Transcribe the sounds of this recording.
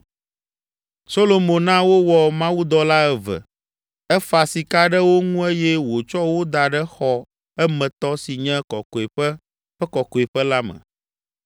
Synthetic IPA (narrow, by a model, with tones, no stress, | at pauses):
so˦lo˨mõ˨nã˦wo˦wɔ˨mã˦wu˦d̪ɔ˦la˦ɛ˦və̰˨ | ɛ˦fa˨si˨ka˦ɖɛ˦wo˦ŋũ˦e˦jɛ˦wo˨t͡ʃɔ˦wo˦d̪a˨ɖɛ˦xɔ˨ | ɛ˦mɛ̃˨t̪ɔ˦si˨ɲɛ̃˦kɔ˨ko˨e˨ɸə˦ | ɸɛ˦kɔ˨ko˨e˨ɸɛ˦la˦mɛ̰̃˨